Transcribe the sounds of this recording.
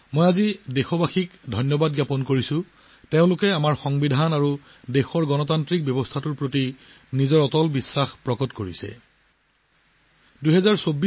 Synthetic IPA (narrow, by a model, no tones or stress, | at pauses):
mojazidexɔbaxikdʱɔjnjɔbad̚ɡjapɔnkoɹisʊ̃ | teʊ̃lʊkɛamaɹxɔŋbidʱanaɹu | dexɔɹɡɔnɔtantɹik̚bjɔbɔstʰatuɹpɹoti | nizɔɹɔtɔlbisːaxpɹɔkɔtkoɹisɛ̰ | duɦɛzaɹsobi